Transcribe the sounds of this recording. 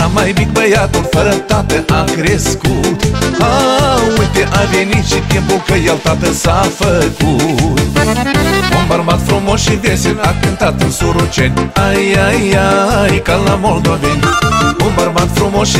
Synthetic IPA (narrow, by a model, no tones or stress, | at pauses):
amajbik̚bəjat̪onfəɾət̪at̪əʔakɾeskut̪awet̪eʔabenit͡ʃit̪jempokəjalt̪at̪əsafəkut̪ | ombaɾmat̪fɾomoʃivesenakənt̪at̪ənsoɾot͡ʃenajajajkalamold̪wavenombaɾmat̪fɾomoʃ